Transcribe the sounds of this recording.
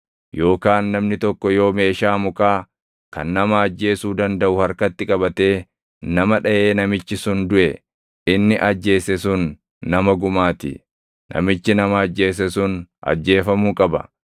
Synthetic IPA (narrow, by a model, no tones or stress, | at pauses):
jo̞ːkaːnːɐmnɪt̪ɔkːɔjo̞ːme̞ːʃaːmʊkaː | kɐnːɐmɐːd͡ʒːe̞ːsuːd̪ɐnd̪ɐʔʊhɐɾkɐt̪ːɪkʼɐbɐt̪e̞ː | nɐmɐᶑɐje̞ːnɐmɪt͡ʃːɪsʊnd̪ʊʔɛ | ɪnːɪʔɐd͡ʒːe̞ːsɛsʊnː | ɐmɐɡʊmaːt̪ɪ̰ | nɐ̰mɪt͡ʃːɪnɐmɐːd͡ʒːe̞ːs̬ɛsʊnʔɐ̰d͡ʒːe̞ːfɐmuːkʼɐbɐ̰